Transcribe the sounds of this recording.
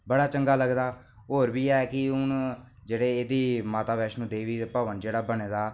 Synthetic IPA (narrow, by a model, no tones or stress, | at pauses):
bəɽaːt͡ʃəŋɡaːləɡd̪aː | ɦoːɾbiːɛːɛkɪʊn | d͡ʒeːɽeːeːd̪iːmaːt̪aːbɛːʃnũːd̪eːʋiːpəʋənd͡ʒeːɽaːbəɳeːd̪aː